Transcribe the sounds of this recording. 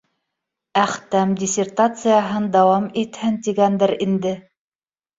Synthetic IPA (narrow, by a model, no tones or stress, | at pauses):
æχt̪æmdʲɪsʲert̪at̪sɨjaɦɤnd̪ɑwɑmit̪hɘnt̪iɡænd̪ɘɾind̪ɘ